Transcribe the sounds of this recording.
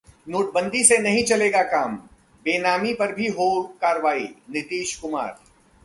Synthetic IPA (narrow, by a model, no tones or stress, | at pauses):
noːʈ̚bɐ̃nd̪isenɐɦĩt͡ʃɐleːɡakaːm | beːnaːmipɐɾbʱiɦoːlkaːɾʋaːḭnɪt̪iːʃkʊma̰ːɾ